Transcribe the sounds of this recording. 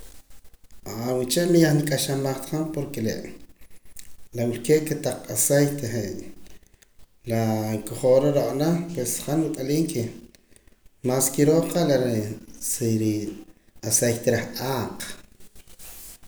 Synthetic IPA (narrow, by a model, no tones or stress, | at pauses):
awit͡ʃeʔmijaχnikʼaʃamaχt̪χanpoɾkelḛʔ | lawilkeːʔket̪aqʼasejt̪eχe | lakoχoɾeɾoʔʼnaχpwesχanwut̪ʼaliːŋke | maskiɾoːqalaɾsiɾ | asejt̪eɾaχʔʼaːq